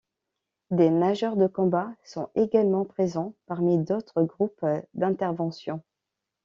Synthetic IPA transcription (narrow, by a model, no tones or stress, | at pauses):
d̪enaʒœʁd̪əkɔ̃basɔ̃eɡalmɑ̃pχezɑ̃paʁmid̪ot̪χəɡʁupd̪ɛ̃t̪ɛʁvɑ̃sjɔ̃